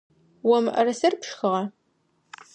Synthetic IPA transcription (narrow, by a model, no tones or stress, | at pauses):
wɔmʔɐrɐsɐrpʂxɨʁɐ